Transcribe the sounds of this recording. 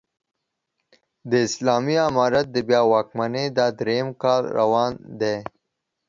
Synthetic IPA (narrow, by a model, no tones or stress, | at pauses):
d̪əɪslɑːmiamɑːɾat̪̚d̪əbjɑːwɑːk̚maned̪ɑːd̪ɾejmkɑːlɾa̰wɑːnd̪e